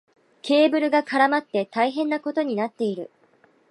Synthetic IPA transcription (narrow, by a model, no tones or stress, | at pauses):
kʰʲe̞ːbɯ̟ɾɯ̟ɡakaɾamat̪ːe̞t̪aiɦẽ̞nːako̞t̪o̞ɲ̟inat̪ːe̞iɾɯ̟̰